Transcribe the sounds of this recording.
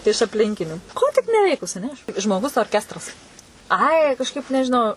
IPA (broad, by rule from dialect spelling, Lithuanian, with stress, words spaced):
ɪʃ ɐpʲˈlʲɪŋʲkʲɪnʲuː ˈkoː tʲɪk nʲɛˈʋʲɛɪkʊs ɐˈnʲɛ ɐʃ ʒmoːˈɡʊs oːrʲˈkʲæːstrɐs ˈɐɪ kɐʃˈkɐɪp nʲɛʒʲɪˈnɐʊ